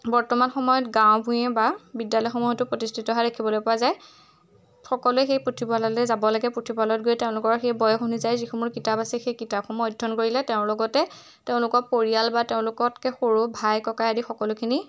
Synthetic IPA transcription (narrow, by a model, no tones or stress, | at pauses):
bɔɹtɔmanxɔmɔjɔtɡãwbʱũjɛbabidjalɔjxɔmɔɔtʊpɹɔtistʰitɔɦaɹekʰibɔlojpɔwazaj | xɔkɔlʊɛxejpɹotʰibalɔlɛzabɔlaɡɛpɹotʰipalɔt̚ɡojteʊ̃lʊkɔɹxejbɔjɔxunizajzixumuɹkitapasɛxejkitap̚xʰɔmɔjdʱːɔnkoɹilɛteʊ̃ɹlɔɡɔtɛ | teʊ̃lʊkɔpoɹijalbateʊ̃lʊkɔtkɛxoɹubʱajkɔkajadixɔkɔlʊkʰini